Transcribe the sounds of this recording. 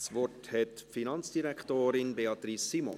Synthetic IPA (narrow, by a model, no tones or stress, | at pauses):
sʋɔthɛtfinɑnt͡sd̥iɾɛktoːɾɪnbeɑt̪risːimɔ̰n